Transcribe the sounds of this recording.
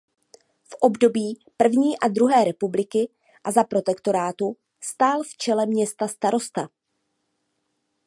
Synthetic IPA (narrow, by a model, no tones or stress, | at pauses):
fʔo̞bdo̞biːpr̩vɲiːʔad̪ɾuɦɛːɾɛpublɪkɪ | ʔazapɾo̞t̪ɛkt̪o̞ɾaːt̪u | st̪aːlft͡ʃɛlɛmɲɛst̪ast̪aɾo̞st̪a